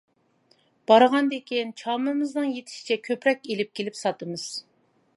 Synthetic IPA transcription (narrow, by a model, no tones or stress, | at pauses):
b̥ɑɾʁɑnd̪ekʲʰint͡ʃʰɑmɨmɨznɨŋjet̪ʰɪ̥ʃi̥t͡ʃʰɛkʲʰøpɾɛkʲelɪp̚kʲʰelɪpsɑt̪ɨmɨz̥